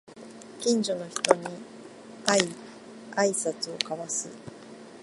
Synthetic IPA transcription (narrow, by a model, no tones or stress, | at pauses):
kʲĩɲ̟d͡ʑo̞no̞çi̥t̪o̞ɲ̟i | ai | aisat͡sɨo̞kaβasɨ